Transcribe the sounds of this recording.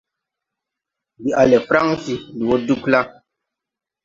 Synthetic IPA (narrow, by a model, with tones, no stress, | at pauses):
bi˨a˨lɛ˨fɾa˦ŋsi˨li˨wo˦du˦kla˦